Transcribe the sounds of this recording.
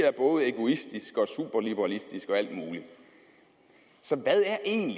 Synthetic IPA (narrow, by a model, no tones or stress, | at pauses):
æɐb̥ɔ̽ːð̞̩ˠe̝ɡ̥o̝isd̥isɡ̥ɒ̽sub̥ɐlib̥eʁɑlisd̥isɡ̥ɒ̽æl̰d̥muːli | sɒ̽ʋæðˠæɐʔe̝̰ːnl